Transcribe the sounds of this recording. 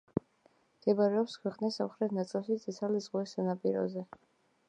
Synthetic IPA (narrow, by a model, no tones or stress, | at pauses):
md̪̥ɛbaɾɛɔpskʰwɛqʼnisːamχɾɛt̪ʰnat̪sʼilˠʃit̪sʼit̪sʰalizʁwɛsːanapʼiɾɔ̰zɛ